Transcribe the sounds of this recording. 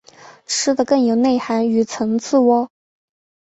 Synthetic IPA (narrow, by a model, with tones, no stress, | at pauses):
ʈ͡ʂʰɻ̩˥d̪ə˨kɤ˥˩ŋjo˨˩ʊne˥˩ɪxa˧˥ny˨˩t͡sʰɤ˧˥ŋt͡sʰɹ̩˥˧wɔ˥